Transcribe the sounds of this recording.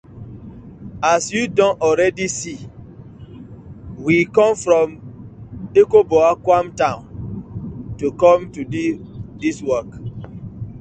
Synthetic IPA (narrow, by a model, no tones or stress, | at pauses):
asjudɔ̃nɔlɹɛdisi | wikɔ̃mfɹɔ̃m | ekobɔakwãmtãʊ̃n | tukɔ̃mtuddiswɔk